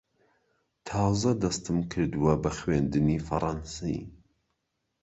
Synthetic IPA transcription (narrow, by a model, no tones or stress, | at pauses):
t̪ʰɑːzɐd̪ɐst̪ɨmkʰɨɾd̪ɨwɐbɐxweːnd̪ɨnifɐ̰ɾˤɑnsḭ